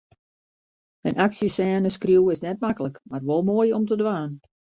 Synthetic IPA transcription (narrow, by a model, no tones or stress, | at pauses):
ə̰nʔaksjəsɛːnəskrjuwɪsnɛt̚makələkmarʋolˠmoəjɔmtədʋaːn